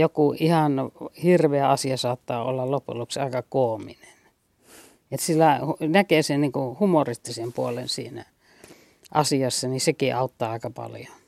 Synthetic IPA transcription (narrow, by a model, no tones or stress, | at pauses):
jokuihɑnhirʋeæɑsiɑsɑːt̪ːɑːo̰lːɑllopṵlːuksiɑˑekɑkoːminen | et̪silːæhnækeˑsenniːŋkuhumorist̪isempuolensḭːnæ̰ | ʔɑsiɑsːɑnisekiʔɑut̪ːɑːɑˑekɑpɑ̰ljo